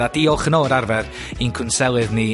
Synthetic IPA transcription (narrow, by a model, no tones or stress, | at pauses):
adiːɔlˠχənoːɾarvɛr | inkʰʊnsɛlˠɨðni